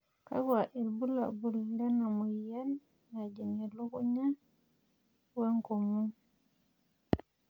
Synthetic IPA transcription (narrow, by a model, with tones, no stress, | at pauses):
ka̰˦ka˨ʔi˨lbu˦la̰˨bu˨lda˦na˨mu˨jja˦l | na˨d͡ʒi˨ŋe˨lu˦ku˦ɲa˦ | wa˦ŋko˨mu˦